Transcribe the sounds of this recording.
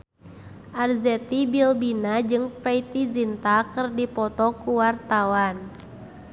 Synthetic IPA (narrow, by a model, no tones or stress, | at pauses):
ʔarzɛt̪ibilbinad͡ʒɨŋpɛit̪id͡ʒint̪akɨrdipɔt̪ɔkuwart̪awan